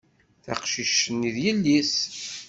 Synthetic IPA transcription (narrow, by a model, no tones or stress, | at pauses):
θaqʃiʃəniðjəlːis